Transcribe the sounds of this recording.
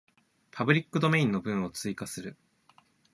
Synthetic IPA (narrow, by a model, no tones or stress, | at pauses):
pʰabɯ̟ɾʲikːɯ̟d̪o̞me̞ĩnːo̞bɯ̟̃ɰ̃o̞t͡sɨikasɨɾɯ̟